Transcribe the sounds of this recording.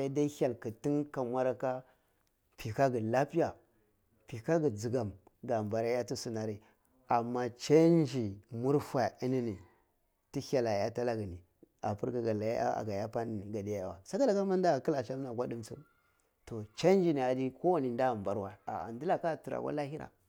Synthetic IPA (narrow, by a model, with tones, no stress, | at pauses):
a˦da˦i˦ha˨lki˨ti˦nka˨mʷa˦ɾa˦ka˦ | pi˨ka˦ɡi˨la˦pi˦ja˨ | pi˨ka˦ɡi˨d͡zi˨ɡa˨m | ɡa˨mba˨ɾa˦ja˦tu˦su˨na˨ɾi˦ | a˨mːa˦t͡ʃe˦n˦d͡ʒi˨mu˦ɾfa˨i˦ni˦ni˨ | ti˦ha˨la˨ja˦ta˦la˦ɡi˨ni˨ | a̰˨pu˦ɾka˨ɡa˨la˨j̰a̰˦a̰˨ɡa˨ja˦pa˦ni˨ni˨ɡa˨di˦ja˦ja˨wa̰˨sa˦ka˦la˨ka˦ma˦n˦da˦a˨ki˦la˨ʃa˦m˦na˨ɡʷa˦di˦mt͡su˦m | to˨t͡ʃe˦n˦d͡ʒi˦˨ni˨a˨di˦ko˦wa˨ni˨n˦da˦˨mba˨ɾwa˦a̰˨a̰˨ndi˦la˨ka˦˨tu˨ɾa̰˨kʷa̰˦la˦hi˦ɾa̰˨